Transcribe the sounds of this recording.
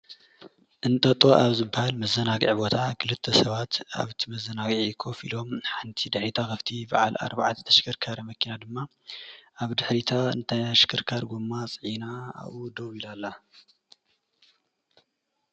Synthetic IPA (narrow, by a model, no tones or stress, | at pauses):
ʔɨnt̪ʼɐt̪ʼo̞ʔaβzɨbːahalmɐzɐnaɡʕbo̞t̪ʰakʰɨlɨt̪ʰːɐsɐβat̪a̰βt̪ʰimɐzɐnaɡʕikʰo̞fḭlo̞mħant̪ʰid̪ɨħɾit̪ʰakɐft̪ʰibaʕala̰ɾbaʕat̪ʰt̪ʰɐʃɪ̥kʰɨɾkʰaɾɐmɐkʰinad̪ɨmːa | ʔaβd̪ɨħɾit̪ʰaɨ̰nt̪ʰajʃɪ̥kʰɨɾkʰaɾɡumːat͡sʼʕinaa̰βud̪owilalːa